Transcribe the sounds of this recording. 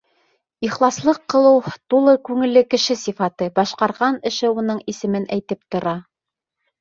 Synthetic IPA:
iχlˠɑslˠɤqːɤ̆lˠɤwt̪ulˠɤkʉŋɘ̆lːɘkɘ̆ʃɘsifɑt̪ɤbɑʃqɑɾʁɑnɘ̆ʃɘunɤɴisɘ̆mɘnæjt̪ɘp̚t̪ŏɾɑ

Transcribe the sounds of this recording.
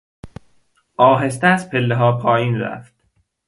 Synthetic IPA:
ʔɒːɦest̪ææspʰelːeɦɒːpʰɒːjiːnɾæ̰ft̪

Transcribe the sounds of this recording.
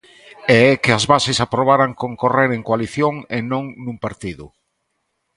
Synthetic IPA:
eɛkɪazβasesapɾoβ̞aɾaŋkõŋkoreɾeŋkwaliθjoŋenõŋnũmpaɾt̪iðʊ

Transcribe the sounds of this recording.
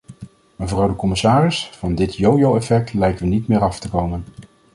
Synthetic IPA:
məvrɑwdəkɔmɪsaːrɪsfɑndɪtjowjowɛfɛk̚tlɛjkəʋənitmɪːɾɑftəkowmən

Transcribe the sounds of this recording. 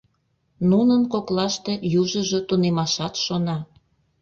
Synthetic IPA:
nunənkoklɑʃt̪e̽juʒəʒot̪unemɑʃɑt̪ʃonɑ

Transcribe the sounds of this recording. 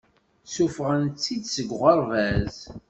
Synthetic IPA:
sufʁənt͡sːid̪səɡʷʁəɾˤvæz

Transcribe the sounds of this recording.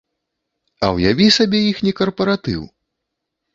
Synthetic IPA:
ɐ̰wjavʲisabʲɛixnʲɛkɐrpɐɾat̪ɨ̰w

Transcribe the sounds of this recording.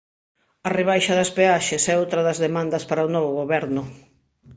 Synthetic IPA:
ɐreβ̞ajʃɐðɐspeaʃesɛowt̪ɾɐðɐzðemãnd̪ɐspaɾaonɔβʊɣoβɛɾnʊ

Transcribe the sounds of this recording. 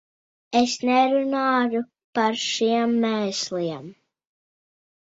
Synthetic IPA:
esnɛɾunaːju | paɾʃiɛmːɛːsliɛm

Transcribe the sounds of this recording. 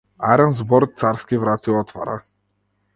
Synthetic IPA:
aɾanzbɔɾt̪̚t̪saɾskʲivɾat̪iwɔt̪va̰ɾa̰

